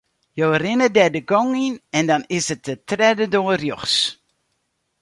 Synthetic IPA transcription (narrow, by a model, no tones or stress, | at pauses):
joːrɪnədɛdəɡɔŋinɛndɑnɪsətətrɛdədoərjɔχs